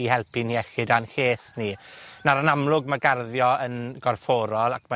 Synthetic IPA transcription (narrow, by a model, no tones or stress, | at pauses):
ihɛlˠpʰiniɛxɪdanɬeːsninaɾanamlˠʊɡmaɡarðjɔənɡ̥ɔrfɔːɾɔlˠakʰma